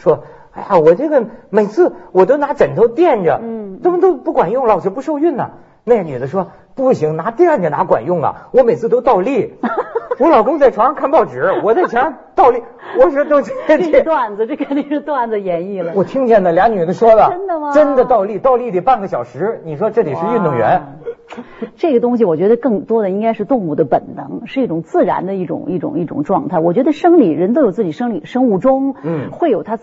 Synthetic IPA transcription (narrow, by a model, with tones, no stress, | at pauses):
ʂwɔ˥ | a˥˩ja˨˩wɔ˨˩ʈ͡ʂɤ˥˩ɡə˩me˨˩ɪt͡sʰɹ̩˥˩wɔ˨˩t̪o˥ʊna˧˥ʈ͡ʂə˨˩nt̪ʰo˧˥ʊt̪jɛ˥˩nʈ͡ʂə˩ʈ͡ʂə˥mə˨t̪o˥ʊpu˥˩kwa˨˩njʊ˥˩ŋlə˨wt͡ɕʰpu˥˧ʂo˥˧ʊy˥˩nnɐ̰˩ | ne˥˩ny˨˩d̪ə˧˩ʂwɔ˥ | pu˥˩ɕi˧˥ŋna˧˥t̪i˥˧ɛ˥˩nʈ͡ʂə˩na˧˥kwa̰˨˩njʊ˥˩ŋlə̰˩wɔ˧˥me˨˩ɪt͡sʰɹ̩˥˧t̪o˥ʊt̪ɑ˥˧ʊli˥˩ | wɔ˧˥lɑ˨˩ʊkʊ˥ŋt͡sa˥˩ɪʈ͡ʂʰa˧˥ɑ˥ŋkʰa˥˧npɑ˥˩ʊʈ͡ʂɻ̩˨˩˥wɔ˨˩t͡sa˥˩ɪt͡ɕʰɛ˧˥na˥ | t̪ɑ˥˧ʊli˥˩ | wɔ˨˩ʂwɔ˥t̪o˥ʊt͡ɕʰt̪wa˥˩nd͡z̩˧ʈ͡ʂɤ˥˩kʰə˨˩ni˧˥ŋʂ̩˥˧t̪wa˥˩nd͡zə˧jɛ˧˥ni˥˩lə˩wɔ˨˩t̪ʰi˥ŋt͡ɕjɛ˥˩nd̪ə˩ljɑ˧˥ny˨˩ə˧˥n˥˧ʂwɔ˥d̪ə˨ə˥nd̪ə˨˩mɐ˧ʈ͡ʂə˥nd̪ə˨t̪ɑ˥˧ʊli˥˩t̪ɑ˥˧ʊli˥˩t̪i˨˩pa˥˩nɡə˩ɕjɑ˨˩ʊʂɻ̩˧˥ni˨˩ʂ̬wɔ˥ʈ͡ʂɤ˥˩t̪i˨˩ʂɻ̩˥˧y˥˧nt̪ʊ˥˩ŋɥɛ̰˧˥n | ʈ͡ʂɤ˥˩ɡə˩t̪ʊ˥ŋɕ̬i˨wɔ˨˩t͡ɕɥɛ˧˥d̪ə˧kɤ˥˩ŋt̪wɔ˥d̪ə˨i˥ŋka˥ɪʂɻ̩˥˧t̪ʊ˥˧ŋu˥˩d̪ə˦pə˨˩nnɤ˧˥ŋʂɻ̩˥˧i˥˩ʈ͡ʂʊ˨˩ŋt͡sɹ̩˥˩ɻa̰˧˥nd̪ə˧i˥˩ʈ͡ʂʊ̰˨˩ŋi˥˩ʈ͡ʂʊ̰˨˩ŋi˥˩ʈ͡ʂʊ̰˨˩ŋʈ͡ʂwɑ˥˧ŋt̪ʰa˥˩ɪwɔ˨˩t͡ɕɥɛ˧˥d̪ə˧ʂɤ˥ŋli˨˩ɻə˧˥nt̪o˥ʊjo˨˩ʊt͡s̩˥˩t͡ɕi˨˩ʂɤ˥ŋli˨˩ʂɤ˥ŋu˥˩ʈ͡ʂʊ˥ŋ˥˩xwe˥˩ɪjo˨˩ʊt̪ʰa˥